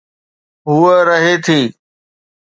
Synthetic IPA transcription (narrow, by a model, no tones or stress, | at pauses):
ɦuːəɾəɦeːt̪ʰiː